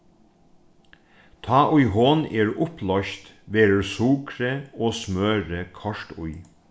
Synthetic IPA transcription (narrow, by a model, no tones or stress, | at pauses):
t̪ʰɑːʔʊjɦoːneːɹʊplɔçt̪ | ʋeːɾəɹsuːkɾəoːsmøːɹəkʰɔʂt̪ʊ̰j